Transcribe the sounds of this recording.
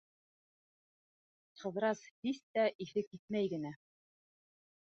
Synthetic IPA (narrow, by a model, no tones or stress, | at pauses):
qɤ̆ðɾɑshist̪æʔiθɘkːit̪̚mæjɡɘ̆næ